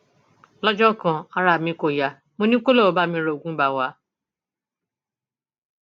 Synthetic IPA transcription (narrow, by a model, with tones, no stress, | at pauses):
lɔ˦d͡ʒɔ˦kã˨a˧ɾa˨mĩ˧˦ko˨ja˨ | mo˨˧nĩ˦ko˦lo˦˨o˨˦ba˦˨mĩ˧˦ɾo˨o˨ɡʷũ˦ba˨wa˨˦